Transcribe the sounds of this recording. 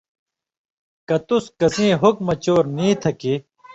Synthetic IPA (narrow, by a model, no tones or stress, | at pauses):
kɐt̪uskɐsĩːɦuk̚mɐt͡ɕoːɾnĩːt̪ʰɐki